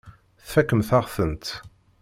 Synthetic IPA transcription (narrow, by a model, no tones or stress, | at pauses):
θfækːəmθaʁθənt̪